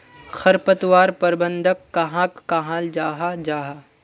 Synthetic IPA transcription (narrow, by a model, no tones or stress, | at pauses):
xɐɾpət̪waːɾpɐɾbə̃nd̪ʱəkːaɦãːkːaɦãːld͡ʒaːɦad͡ʒaːɦaː